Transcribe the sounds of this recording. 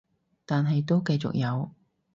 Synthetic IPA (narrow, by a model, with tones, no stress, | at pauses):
t̪aː˨nɦɐ˨jt̪̬o˥wkɐ˧jt͡sʊ̰˨k̚jɐ˨˧w